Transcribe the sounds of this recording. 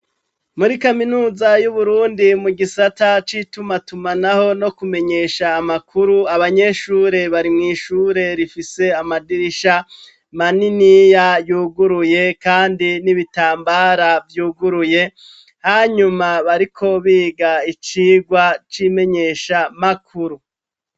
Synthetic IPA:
muɾikaminuːzajuβuɾuːndimuɡisatat͡ʃitumatumanaho̞no̞kume̞ɲe̞ʃaːmakʰuɾuaβaɲe̞ʃuːɾe̞βaɾimŋiːʃuːɾe̞ɾifise̞amadiɾiʃa | maninijajuːɡuɾuje̞kaːndiniβitaːmbaːɾavjuːɡuɾuje̞ | haːɲumaβaɾikʰo̞βiːɡait͡ʃiːɡwat͡ʃime̞ɲe̞ʃamakʰuɾu

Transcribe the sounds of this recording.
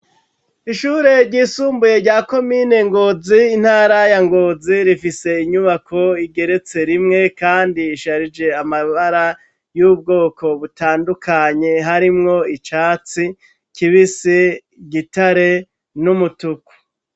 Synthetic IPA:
iʃuɾe̞ɾɟiːsuːmbuje̞ɾɟaːko̞mine̞ŋɡo̞ziːn̥haːɾajaŋɡoziɾifise̞iɲuβakʰo̞iɡe̞ɾe̞t͡se̞ɾimŋe̞kaːndiːʃaɾid͡ʒe̞amaβaɾa | jub̚ɡo̞ːkʰo̞βutaːndukʰaɲe̞ɦaɾimŋo̞it͡ʃaːt͡si | kiβise | ɟitaɾe̞ | numutuku̥

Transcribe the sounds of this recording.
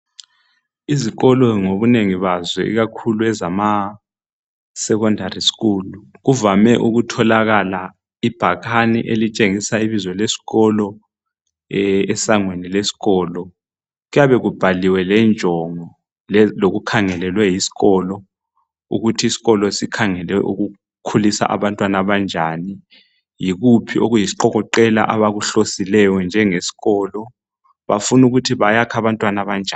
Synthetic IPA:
iziɣɔlɔŋoβuneŋiβazwɛ̰ḭɣakʰuluɛzama | sɛkɔndʱarisi̥ɣuːluɣuvamɛʔuɣutʰɔlaɣala | ib̥ʱaɣʰanḭʔelit͡ʃʼeŋisaiβizwɔlesi̥ɣɔlɔ | ɛɛsaŋwenilesi̥ɣɔːlɔ | ɣujaβɛɣub̥ʱaliwɛlɛnd͡ʒʱɔŋɔ | lɛloɣukʰaŋɛlɛlwɛjisi̥ɣɔlɔ | ṵɣutʰiisi̥ɣɔlɔsikʰaŋɛlɛʔuɣu | kʰulisa̰ʔa̰βantʼwanaβand͡ʒʱaːni | jiɣupʰiʔoɣujisi̥ǃɔɣɔǃɛla̰ʔaβaɣuɬosilɛjɔnd͡ʒʱɛŋesi̥ɣɔːlɔ | βafunuɣutʰiβajakʰaβantʼwanaβand͡ʒʱa

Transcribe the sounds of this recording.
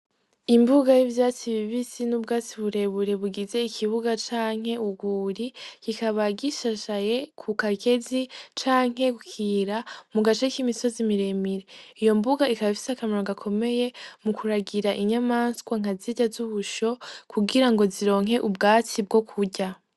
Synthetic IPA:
imbuɡajivjaːt͡siβiβisinub̚ɡaːt͡siβuɾe̞βuɾe̞βuɡize̞ikʰiβuɡat͡ʃaːŋ̥he̞uɡuːɾikikaβaɡiʃaʃaje̞kʰukaɡe̞zit͡ʃaːŋ̥ɦe̞kukʰiɾamuɡat͡ʃekimiso̞zimiɾe̞miɾe̞ijo̞mbuɡaikaβafi̥sakamiɾoŋɡakʰo̞me̞je̞mukʰuɾaɡiɾaʔiɲamaːnskwaŋ̥aziɟazuβuʃo̞kʰuɡiɾaŋɡo̞ziɾo̞ːŋɦe̞ʔubɡaːt͡sib̚ɡo̞kʰuɟa

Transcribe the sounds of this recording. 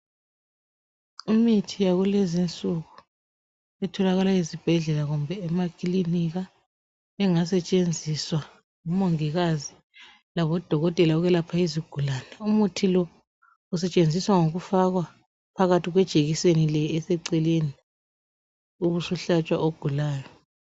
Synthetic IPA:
imitʰijaɣulezint͡sʼuɣu | ɛtʰɔlaɣalaizib̥ʱɛɮɛlaɣumbʱɛːmakʰʼiliniɣa | ɛŋasɛt͡ʃʼend͡zʱiswa | ŋumoŋiɣazi | laβɔd̥ʱɔɣɔtʼɛlauɣɛlapʰaiziɡ̥ʱulaːnɛumutʰilɔ | usɛt͡ʃʼend͡zʱiswaŋoɣufaɣwa | pʰaɣatʰiɣwɛd̥ʒ̥ʼʱeɣisenilɛːsɛǀɛleni | uβusuɬat͡ʃʼwa̰ʔoɡ̥ʱulaːjɔ

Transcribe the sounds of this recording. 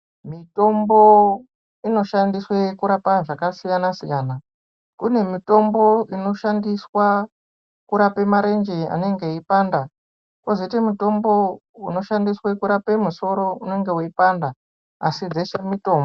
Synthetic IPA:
mito̞mbo̞ | ino̞ʃandiswekuɾapaʐakasijanasijaːna | kune̞mito̞mbo̞ino̞ʃandiswa | kuɾape̞maɾe̞nd͡ʒea̰ne̞ŋɡe̞ipanda | kozetemuto̞mbo̞uno̞ʃandiswekuɾape̞muso̞ɾo̞une̞ŋɡe̞uipanda | a̰sid͡zeʂe̞mito̞ːmbo

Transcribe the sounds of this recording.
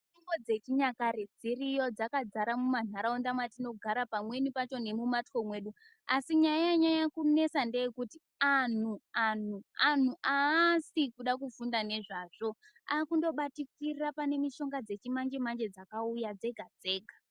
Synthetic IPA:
iŋɡod͡ze̞t͡ʃiɲakaɾed͡ziɾijo̞d͡zakad͡zaɾamuman̤aɾaondamwatino̞ɡʱaɾapamwe̞nipat͡ʃo̞ne̞mumatko̞mwe̞ːɗu | asiɲajaɲajakune̞sande̞jekuti | an̤uan̤uan̤uʔasikuɗakufundane̞ʐaʐ̥o̞ | akundo̞ɓatikirrapane̞miʃo̞ŋɡad͡ze̞t͡ʃimand͡ʒemand͡ʒe̞d͡zakaujad͡ze̞ɡʱad͡ze̞ːɡʱa

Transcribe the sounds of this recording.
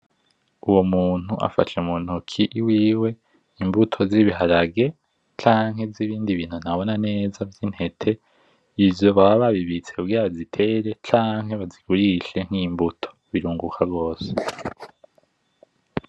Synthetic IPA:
uwomuːn̥huʔa̰fa̰ʃeumun̥ukʰiʔwiːwe̞ | imbutʰo̞ziβiɦaɾaɡe̞ | t͡ʃaːŋɦe̞vziβiːndiβiːn̥hun̥aβo̞nane̞ːzavjinhe̞tʰe̞ | ivjo̞βaβaβaβiβit͡se̞kuɡiɾazitʰe̞ɾe̞t͡ʃaːŋɦe̞βaziɡ̥uɾiʃe̞ŋ̥imbutʰo̥βiɾuːŋɡukʰabɡo̞ːse̥

